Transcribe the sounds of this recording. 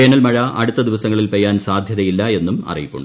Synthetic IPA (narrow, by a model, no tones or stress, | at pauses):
eːnɐlmɐɻɐʔɐɽut̪ːɐd̪iʋɐsɐŋːɐɭilpejːaːnsaːd̪ʱjɐðɐjilːɐe̞nːumɐ̰rḭjipːṵɳɖɨ